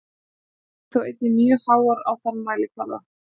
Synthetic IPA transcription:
θoweːjt̪ɪmjœhaːwaɾawθanːmaːjlɪkʰvaɾða̰

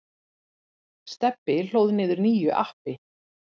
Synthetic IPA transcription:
st̪ɛpːɪl̥oːwðnɪːðʏɾniːjʏʔa̰hpɪ

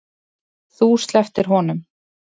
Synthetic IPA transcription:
θust̪lɛft̪ɪɾ̥ɦɔnʏm

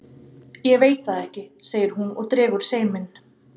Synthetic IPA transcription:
jɛɣveːjt̪θaðɛhcɪseːjɪɾ̥ɦunɔ̰ɣt̪ɾɛːɣʏɾ̥seːjmɪn

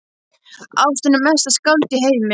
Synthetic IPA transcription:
a̰wst̪ʏnːʏmɛst̪askalt̪ɪɦeːjmɪ

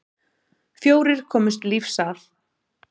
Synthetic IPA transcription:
fjoːwɾɪɾ̥kʰɔːmʏst̪lifsaɾ̥

